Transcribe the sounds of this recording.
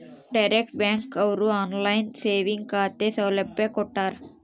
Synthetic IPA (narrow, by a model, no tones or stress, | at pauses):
ɖɐjɾek̚ʈ̚baːŋkɐwɾuaːnlɐjnseːʋiŋɡkaːt̪eːsɐʋlepbbeːkɔʈːaːɾ